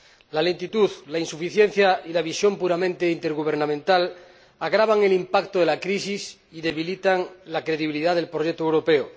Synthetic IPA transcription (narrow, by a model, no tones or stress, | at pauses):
lale̞nt̪it̪uðlainsufiθjenθjailaβisjo̞mpuɾamẽnt̪eint̪e̞ɾɣuβ̞eɾnãmẽnt̪al | aɣɾaβaŋe̞limpakt̪oðe̞lakɾisis | iðeβ̞ilit̪aŋlakɾe̞ðiβiliðaðe̞lpɾojek̚t̪owɾopeo